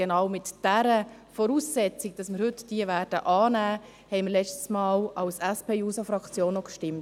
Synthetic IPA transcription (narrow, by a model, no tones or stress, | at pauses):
enɑwmɪtd̥æɾə | fɔɾuːsːɛt͡sɪɡ̚d̥ɑsməɾhʏtd̥iəvæɾd̥ə̰ʔɑːnæː | hɛɪməlɛt͡ʃtə̥smɑːlɑlsɛspʰeːjuːsɑfɾɑkt͡sjoːnːɔkʃtɪmt